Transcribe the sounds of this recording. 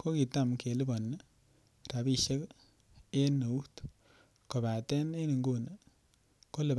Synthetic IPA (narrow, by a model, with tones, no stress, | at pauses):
ko˦ki˨ta˦˨mke˨lɪ˦bɔ˨nː˦ | ɾa˨bi˦ʃe˦k | e˦nːo˨u˦t | ko˨ba˨tɛ˦ne˦ni˨ŋɡo˦n˨ | ko˦lɪ˨b